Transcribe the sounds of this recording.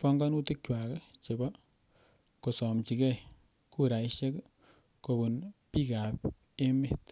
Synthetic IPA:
pɔ˦ŋɡɔ˦nu˦te˦kt͡ʃwa˨kt͡ʃe˨bɔ˦ | ko˨sɔ˨mt͡ʃi˨kɛ˦ | ku˦ɾa˨iʃe˦k | ko˧bu˨npi˦ka˨p | e˦met

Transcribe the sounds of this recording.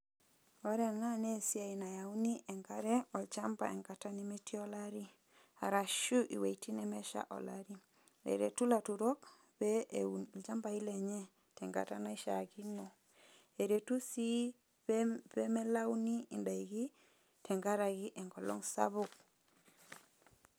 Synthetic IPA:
ɔ˦ɾɛ˨na˦nesi˦a˨i˨na˨jau˦ni˦ʔɛ˨ŋɡa˦ɾɛɔlt͡ʃamba̰ɛ˨ŋkata˦nime˦tiɔlaɾi˦ | a˨ɾa˨ʃu˦ʔi˨we˨iti˦nɛmɛ˦ʃa̰˦ʔɔ̰˨la̰ɾi˦ | ḛ˨ɾḛ˨tu˦latuɾɔ˦k | bɛlt͡ʃa˦mbai˦lɛɲɛ | tɛŋɡa̰˨ta̰na˦i˦ʃa̰ɡinɔ | e˨ɾetu˦si | pɛ˦mɛ˦la˦wnii˨nda˨iɡi˦ | tʰɛ˨ŋɡa˦ɾaɣi˦ʔɛ˨ŋɡɔ˨lɔ̰˦ŋsa̰βok̚

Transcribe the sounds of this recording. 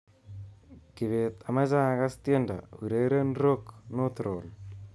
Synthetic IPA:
ki˨βe˨t̪a˨ma˦za˦a˨ka˦stje˦nda̰˨wi˨ɾe˦ɾe˦nɾo˦kno˦t̪ɾo˨l

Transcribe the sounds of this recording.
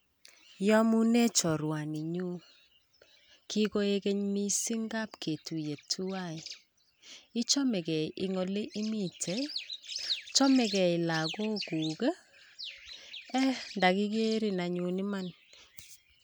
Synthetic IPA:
jɔ˦mu˦ne˦t͡ʃɔ˨ɾwa˨ni˨ɲu˦ | ki˦ko˦e˦ke˦ɲmi˦si˦ŋɡa˦pkʰe˨tu˨je˨tʰu˦a˦˨i˨ | ɪ˦t͡ʃɔ˦mɛ˨kɛ˨ii˨ŋo˨le˦ʔi˦mi˦˨tʰe˦ | t͡ʃɔ˦mɛ˨kɛ˨i˨la˨ko˦ku˨ke˦ | ɛ˦nda˨ki˦ke˦ɾi˨na˨ɲu˨nɪ˦ma˦n

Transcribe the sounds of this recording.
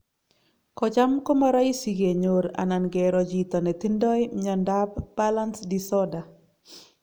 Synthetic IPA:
kɔd͡ʒa˦mko˦maɾa˦i˦si˨ɡe˨ɲoɾa̰˨na˨nɡɛ˨ɾɔd͡ʒi˨t̪ɔ˨nɛ˨t̪i˦ndɔ˦jɲɔndabb̥ala˦nsdisɔda˨

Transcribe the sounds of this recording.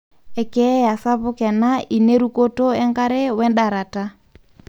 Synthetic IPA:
ɛ˨kɛ˦ja˨sa˦βʊ˦kɛ˨na˦ʔi˨ne˦ɾu˦ko˦to˦ɛ˦ŋɡa˦ɾɛ˦wɛ˦nda˨ɾa˨ta˦

